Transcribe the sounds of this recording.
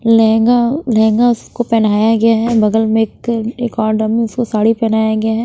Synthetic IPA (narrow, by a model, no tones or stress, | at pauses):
lɛ̃ːɡalɛ̃ːŋɡaʊskopɛːnaːjaɡɐjaɦɛbɐɡəlmẽːkeːkɔːɾɖɐmĩʊskosaːɽipɛːnaːjaɡɐjaɦɛː